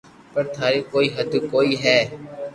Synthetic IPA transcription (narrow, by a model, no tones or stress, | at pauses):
pəɾt̪ʰaːɾiːkoːiːɦəd̪koːiːɦɛː